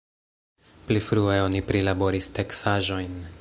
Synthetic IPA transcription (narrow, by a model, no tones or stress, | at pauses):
plifɾueo̞nipɾilabo̞ɾisteksaʒo̞jn